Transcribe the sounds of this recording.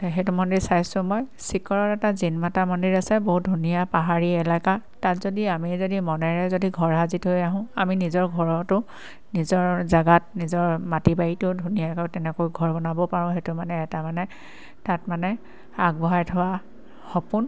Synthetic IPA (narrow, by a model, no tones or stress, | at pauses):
ɦetumɔndiɹsajsʊ̃mɔjsikɔɹɔɹɛtazinmatamɔndiɹasɛboɦut̚dʱunijapaɦaɹiɛlakatatzodiamizodimɔnɛɹɛzodiɡʱɔɹɦazitɦojaɦʊ̃aminizɔɹɡʱɔɹɔtʊ | nizɔɹzaɡat̚nizɔɹmatibaitʊdʱunijakɔjtɛnɛkojɡʱɔɹbɔnabɔpaɹʊ̃xetʊmanɛːtamanɛ | tatmanɛ | aɡ̚bɔɦajtʰɔwa | xɔpʊn